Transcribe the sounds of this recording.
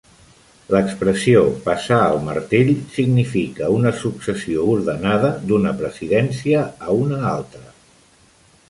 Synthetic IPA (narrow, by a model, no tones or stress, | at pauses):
ləkspɾəsiopəsaəlˠmə̰ɾt̪iʎsiɡnifikəunəsuksəsiouɾðənaðəd̪unəpɾəziðɛnsiəːunəalˠt̪ɾə